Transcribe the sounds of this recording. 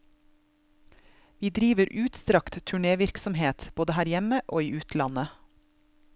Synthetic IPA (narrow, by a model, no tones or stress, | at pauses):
ʋiːd̪ɾiːʋəɾʔʉːt̪st̪ɾɑkt̪t̪ʰʉɳeːʋɪɾksɔmheːt̪b̥oːd̪əhæːɾjɛməʔoːiːʉːt̪ʰlɑnə